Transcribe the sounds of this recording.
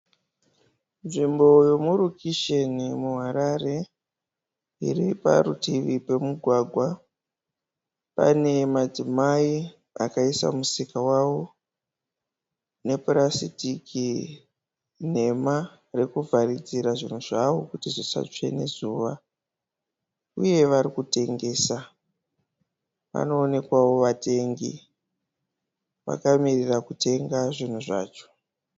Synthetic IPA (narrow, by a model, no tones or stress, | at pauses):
nʐimbo̞jo̞muɾukʰiʃe̞nimuɦaɾare̞ | ḭripa̰ɾṵtiʋipe̞muɡʱwaɡʱwa | pa̰ne̞mad͡zimai | a̰kaisa̰musikawawo | ne̞prasitiki | n̤e̞ma | rekuvʱarid͡ziɾaʐin̤uʐaʋo̞kutiʐosa̰t͡ʂe̞̰ne̞̰zuʋa | uje̞ʋaɾikute̞ŋɡe̞ːsa | ʋa̰no̞ːne̞kwawo̞ʋate̞ŋɡḭ | ʋa̰kamirirakute̞ŋɡaʐin̤uʐa̰ːt͡ʃo̞̥